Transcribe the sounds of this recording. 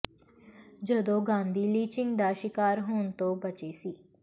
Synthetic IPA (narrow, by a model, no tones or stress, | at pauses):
d͡ʒəd̪õːɡãːnd̪iːliːt͡ʃɪ̃ŋɡd̪aːʃɪkaːɾɦoːnt̪õːbət͡ʃeːsiː